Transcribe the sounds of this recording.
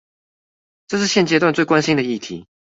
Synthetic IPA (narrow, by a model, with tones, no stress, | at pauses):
ʈ͡ʂɤ˥˧ʂɻ̩˥˧ɕjɛ˥˩nt͡ɕjɛ˥t̪wa˧nt͡swe˥˩ɪkwa˥˦nɕi˥ŋd̪ə˨i˥˩t̪ʰḭ˨˦